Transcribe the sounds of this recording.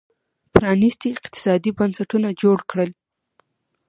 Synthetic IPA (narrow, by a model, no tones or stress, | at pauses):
pɾɑnist̪iɪqt̪ɪ̥sɑd̪ibansaʈunad͡ʒoɽkɽəl